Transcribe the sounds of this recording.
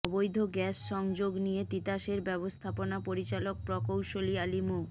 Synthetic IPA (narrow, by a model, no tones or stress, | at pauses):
ɔbojd̪ʱoɡɛsʃɔŋd͡ʑoɡnijet̪it̪aʃeɾbɛbost̪ʰaponapoɾit͡ɕalok̚pɾɔkowʃolialimo